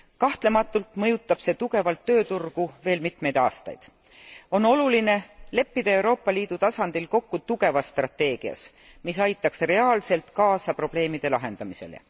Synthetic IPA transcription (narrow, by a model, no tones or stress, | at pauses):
kɑht̪le̞mɑt̪ːˑult̪mɤ̞jut̪ːˑɑb̥se̞ːt̪uɡe̞vɑlt̪ːø̞ːt̪urɡ̥uve̞ːlmit̪me̞jd̪̥ɑ̰ːst̪ɑ̰jd̪̥ | o̞no̞luline̞le̞pːid̪̥ɑe̞wɾo̞ːpˑːɑliːd̪̥ut̪ɑsɑnd̪̥ilko̞kːut̪uɡ̥e̞vɑsːt̪rɑt̪ːe̞ːɡ̥iɑ̰s | misɑjt̪ːˑɑksre̞ɑːlse̞lt̪kɑːsɑpro̞b̥le̞ːmid̪̥e̞lɑɦe̞nd̪ɑmise̞̰lḛ